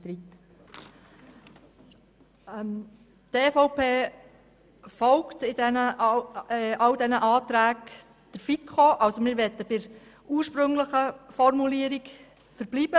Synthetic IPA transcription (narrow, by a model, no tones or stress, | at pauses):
tɾit̪ | t̪eːfɔʊpeː | fɔwktɪdɛnə | ʔɑwdɛnəʔɑːt̪ɾæːk | d̥əɾfikʰχoʔɑwsomɪːɾʋɛt̪ːəbɪɾ | uːɹʃpɾɵŋləχəfɔɾmuliəɾik | fəɾb̥liːb̥ə